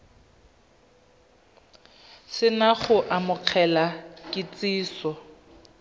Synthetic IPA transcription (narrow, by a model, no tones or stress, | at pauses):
sɪnaχʊʔamʊq͡χʰɛlakʼɪt͡sʼiːsɔ